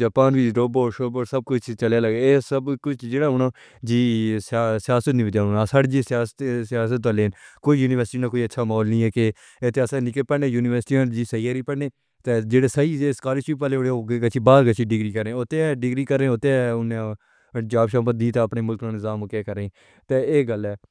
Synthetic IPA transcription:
d͡ʒaːpaːnʋiːɖoːboːɾʃoːboːɾsəb̚kʊt͡ʃʰt͡ʃəleːləɡeeːsəbkʊt͡ʃʰd͡ʒeːɽaːʊnõː | d͡ʒiːssɪjaːsət̪nĩːʋəd͡ʒaːnaːsaɽd͡ʒiːsɪjaːst̪sɪjaːs̬ət̪ʋaːleːnkoːiːjuːnɪʋəɾsʈiːnãːkoːiːətːʃʰaːmaɔːlnĩːɛːke | et̪ʰːeəsãːnɪkəpəɽneːjuːnɪʋəɾsʈiːad͡ʒiːsəiːaːɾiːpəɽneː | t̪eːd͡ʒeːɽeːsəiːeːskaːɾiʃipaːleːɽeɡkət͡ʃʰiːbaːɾɡət͡ʃʰiːɖɪɡɾiːkəɾẽːot̪eːɖɪɡɾiːkəɾẽːot̪eʊnẽː | d͡ʒaːbʃãːmpət̪̚d̪iːt̪eːəpneːmʊlknãːnɪzaːmokeːkəɾẽ | t̪eːeːɡəlɛː

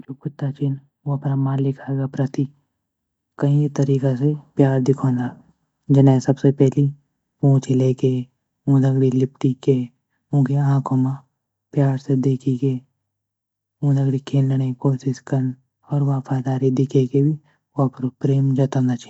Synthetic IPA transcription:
d͡ʒoːkʊt̪ːat͡ʃʰɪn | oɐpnamãːlɪkʰaːeɡapɾɐt̪i | kɐɦĩt̪ɐɾiːkasepjaːɾd̪ɪkʰõːnd̪a | d͡ʒɐnɛ̃sɐbsepɛɦli | ũːt͡ʃʰileːke | ũːd̪ɐɡɽilɪpʈike | ũːkeãːkʰõmã | pjaːɾsed̪eːkʰike | ũːd̪ɐɡɽikʰeːlːəɽekoːʃɪʃkɐɾn | ɔːɾʋaːfʰaːd̪aːɾid̪ɪkʰekebʱi | oɐpɾopɾeːmd͡ʒɐt̪ənd̪at͡ʃʰi̥n

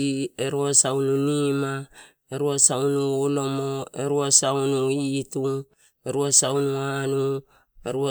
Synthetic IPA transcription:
ieɾuasawnunima | eɾuasawnuolo̞moeɾuasawnuitu | eɾuasawnuanu | eɾua

